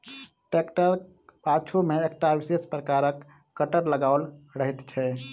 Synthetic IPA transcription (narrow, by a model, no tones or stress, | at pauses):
ʈekʈəɾ | pat͡ʃʰomeekʈaʋisespɾəkaɾəkː | əʈəɾləɡaʊlɾəɦɛt̪t͡ʃʰɛ